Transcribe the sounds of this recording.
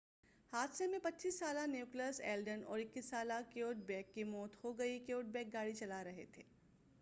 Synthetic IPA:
haːt̪semẽpɐtːʃiːsːaːlaneːkləsɛ̰ːlɖənɔ̰ːɾɪkːisːaːlakoːʈ̚bɛːkːimɔːt̪hoɡɐikoːʈ̚bɛːk̚ɡaːɽit͡ʃɐlaɾɐɦḛt̪ʰeː

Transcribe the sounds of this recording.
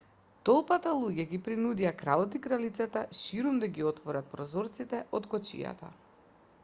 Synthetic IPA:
t̪ɔlˠpat̪alˠuɟɛɡipɾinud̪ijakɾalˠɔt̪ikɾalit̪sat̪aʃiɾumd̪aɡiɔt̪vɔɾat̪̚pɾɔzɔɾt̪sit̪ɛʔɔt̪kɔt͡ʃḭja̰t̪a̰

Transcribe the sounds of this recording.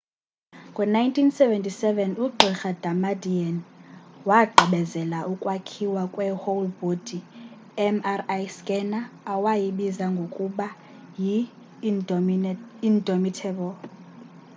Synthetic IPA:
ŋɡʼwɛnajntʼʰinsɛvɛntʼisɛvɛnuɡ͡ǃʱixad̥amadianwaɡ͡ǃʱiɓɛzɛlaʔukʼwakʰiwakʼwɛholbod̥ʱi | ɛmarajskʼɛnaːwajiɓizaŋɡʱokʼuɓa | ji | indʱomitʰɛɓɔl

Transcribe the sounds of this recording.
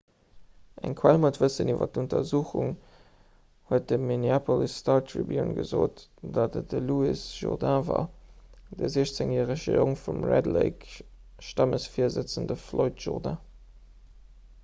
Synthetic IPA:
ʔæŋkʰwælmotv̥əsənivɐ̰tuntɐzuːχṵŋ | huət̚dəminiapʰolistʰɑːtʰɹḭbjo̰nɡə̰zo̰ːtd̥ɑtədəluisʒ̥ɔ̰ʁdãva̰ː | d̥əziɕt͡seŋjæːʁəʃəoŋfumræ̰dlḛɪk | ʃtɑməsfiːɐzət͡səndəfloɪtʒ̥ɔ̰ʁdã̰

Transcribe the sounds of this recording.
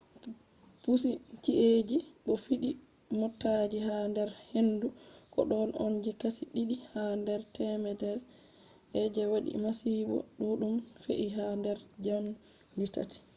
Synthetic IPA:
pus̬it͡ʃiʔed͡ʒiɓɔfiɗi | mɔtːad͡ʒiɦandɛɾhendukɔ̰ɗɔnʔɔ̰nd͡ʒikasiɗiɗihandɛɾtɛmɛdɛɾ | ʔɛd͡ʒɛwaɗḭmasibɔ̰ɗuɗumfḛʔiɦandɛɾd͡ʒam | dita̰ti̥

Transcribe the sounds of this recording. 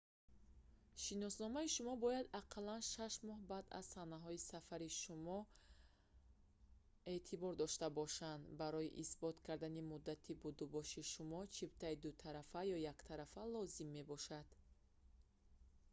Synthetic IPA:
ʃinɔsnɔmaiʃumɔbɔjad̪aqʰlanʃaʃmɔhbad̪a̰z̥sanaɦɔisafaɾiʃumɔ | e̞ʔt̪ʰibɔɾd̪ɔʃt̪abɔʃand̪baɾɔjiʔisbɔt̪kʰaɾd̪animud̪ːat̪ʰibud̪ubɔʃiʃumɔt͡ʃʰibt̪ʰaid̪ut̪ʰaɾafajɔjakt̪ʰaɾafalɔzimːe̞bɔʃad̪̥

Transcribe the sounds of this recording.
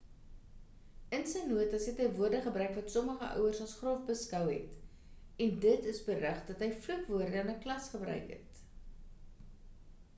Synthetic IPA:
ənsəjnuətɐsɦɛtɦɛvuərdəχəbrœɥkvɐtsɔməχəʔœ̰wərsɐlˠsχrɔfbəskœwɦɛ̰t | ɛndətəsbərəχdɐtɦəjflukvuərdəɐnəklɐsχəbrœ̰ɥkɦɛ̰t

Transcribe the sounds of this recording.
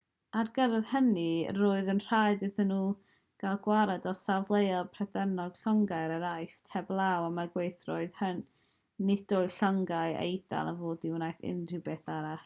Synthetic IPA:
arɡəɾəðhəniroːɨðənr̥ajdɨθənːuː | ɡ̥alˠɡwaɾɛdɔsavlˠejalˠpʰrɛdɛnɔɡ̥ɬɔŋɡaɨɾaɾajftʰɛblˠawamaɡwejθrɔɨðhən | nɪdoɨɬɔŋɡaɨḛjda̰lˠavoːdɪwnajθɪ̰nr̥ɪbeːθaɾa

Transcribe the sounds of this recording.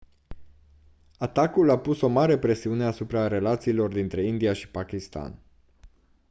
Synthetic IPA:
at̪akulapuso̞maɾe̞pɾe̞siune̞asupɾaɾe̞lat̪siːlo̞rd̪int̪ɾe̞ind̪ijaʃi̥pakʲist̪a̰n

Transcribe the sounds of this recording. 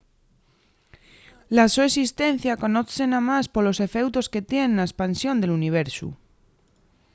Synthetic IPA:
lasoesist̪e̞n̟θjako̞noθse̞namaspo̞lo̞se̞fe̞wt̪o̞ske̞t̪je̞nnlaespansjo̞nd̪e̞luniβ̞e̞ɾsṵ

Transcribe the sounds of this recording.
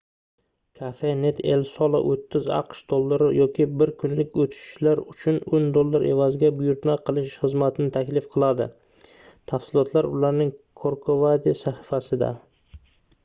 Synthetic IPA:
kʰafe̞ne̞t̪ʰe̞̰lsɒlˠa̰ʔot̪ʰːɪzɑ̰qʃd̪olˠːaɾɪjɒkʲɪbɪɾkʰʊnlɪkʲot̪ʰɪ̥ʃɪ̥ʃlaɾʊt͡ʃʰʊnʊnd̪olˠːaɾʔe̞̰vazɪɡʲabʊjʊɾt̪maqʰɨlˠɪʃχɨzmat̪ʰɪnɪt̪ʰakʲlɪfqʰɨlˠad̪ɪ̰ | t̪ʰafsɪlˠɒt̪ʰlaɾʊlaɾnɪŋkʰoɾkʰovad̪isahɪfasɪd̪a̰

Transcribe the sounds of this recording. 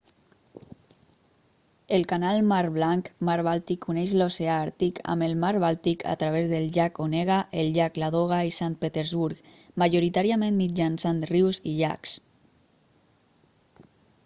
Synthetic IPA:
elkanalˠmaɾβlaŋkmaɾβalˠt̪ikʰːunɛʃloseaaɾt̪ikʰa̰məlmaɾβalˠt̪ikʰa̰t̪ɾaβ̞ezðəlʎakonɛɣaʔelʎaklaðoɣ̞aisant̪̚pet̪eɾzβuɾk | maʒoɾit̪aɾiamẽnmid͡ʒansanriwziʎa̰ks

